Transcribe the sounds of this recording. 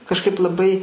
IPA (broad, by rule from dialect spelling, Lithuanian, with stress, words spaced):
kɐʃˈkɐɪp lˠɐˈbɐɪ